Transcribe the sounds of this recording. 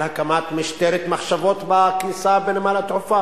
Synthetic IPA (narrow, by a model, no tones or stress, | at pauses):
hakamat̪miʃt̪eɾet̪maχʃavot̪bakisabenemalat̪ofa